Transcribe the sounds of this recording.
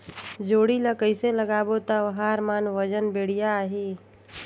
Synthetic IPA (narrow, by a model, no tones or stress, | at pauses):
d͡ʒoːɽiləkəɪseləɡaːbot̪əʋəɦãɾmaːnʋəd͡ʒənbeːɽ̤ijaɦi